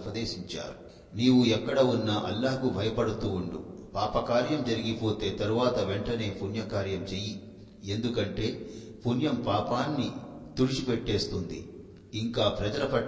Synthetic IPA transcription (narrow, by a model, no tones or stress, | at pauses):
pɐd̪e̞ːʃiɲt͡ʃa̰ːɾu | niːwuɛkːɐɽɐunːɐʔɐ̰lːaːkubʱɐjɐpɐɽut̪uːuɳɖṵpaːpɐkaːɾjɐmd͡ʒɐɾiɡipo̞ːt̪e̞ːt̪ɐɾuʋaːt̪ɐʋeɳʈɐne̞ːpunjɐkaːɾjɐmt͡ʃeji | end̪ukɐɳʈe̞ː | pʰunjɐmpaːpaːnːit̪uɾit͡ʃipeʈːe̞ːst̪und̪ḭ | iŋkaːpɾɐd͡ʒɐlɐpɐ